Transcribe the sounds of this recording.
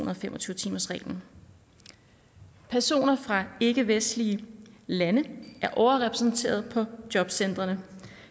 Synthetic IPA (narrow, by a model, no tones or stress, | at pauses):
unɐðˠfemʔɒt͡sʰyːʊt͡sʰiːmɐsʁɛ̰ːln̩ | pʰæɐso̝̰ːnɐfʁɑ̈e̝ɡ̥əʋesd̥liəlænəæɐʔɒʊɐʁɛpʰʁɛsn̩t͡sʰe̝̰ːɐð̞ˠpʰɒ̽d̥jɒ̽b̥sen̰d̥ʁɐnə